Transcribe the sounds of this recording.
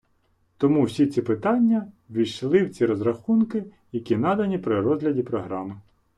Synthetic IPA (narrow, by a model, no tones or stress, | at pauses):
t̪ɔmuwsʲit͡sʲipɪt̪ɑnʲːɐ | ʋʲiʃlˠɪwt͡sʲiɾɔzrɐxunkɪ | jɐkʲinɑd̪ɐnʲipɾɪrɔzɦlʲɐdʲipɾɔɦɾɑmɪ